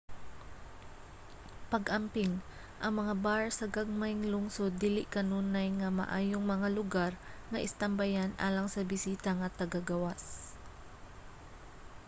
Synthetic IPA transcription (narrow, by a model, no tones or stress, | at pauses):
pɐɡʔɐmpɪŋ | ʔɐŋmɐŋabaɹsɐɡaɡ̚majŋlʊŋsod̪ːiːlɪʔkɐnuːnajŋɐmɐ̰ʔaːjoŋmɐŋalʊɡaɹŋɐʔɪ̰st̪ɐmbajanʔa̰ːlɐŋsɐbɪsiːt̪aŋɐt̪ɐɡaɡɐwas